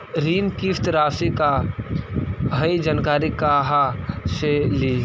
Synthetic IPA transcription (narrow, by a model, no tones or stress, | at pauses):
ɾiːnkift̪ɾaːfika | ɦɐid͡ʒaːnkaːɾikaɦaʃeli